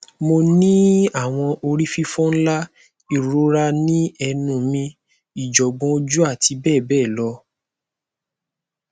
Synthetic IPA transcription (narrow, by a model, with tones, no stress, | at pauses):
mo˧nĩ˦a˦˨w̃ɔ̃˧ʔo˧ɾi˦fi˦fũ˦n̩˦la˦ | i˦˨ɾo˨˦ɾa˧nĩ˦ɛ˧nũ˨mĩ˧ | i˨d͡ʒɔ˨ɡ͡bɔ̃˧˦d͡ʒu˦a˦˨ti˧bɛː˦˨bɛː˦˨lɔ˧˦